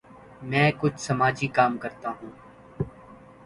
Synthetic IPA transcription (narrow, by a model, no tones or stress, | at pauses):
mɛ̃ːkʊt͡ʃʰsɐmaːd͡ʒikaːmkɐɾt̪aɦũː